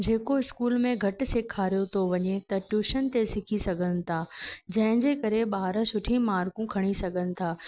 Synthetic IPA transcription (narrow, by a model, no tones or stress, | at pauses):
d͡ʑeːkoɪskuːlmẽɡʱɐʈsɪkʰaːɾijot̪ʰoʋɐɲet̪ɐʈjuːʃənt̪esɪkʰisɐɡʱənɪ̆t̪ʰaːd͡ʑɐ̃ɦɪ̃ɲd͡ʑekɐɾeɓaːɾəsʊʈʰimaːɾkũkʰɐɽ̃isɐɡʱənɪ̆t̪ʰaː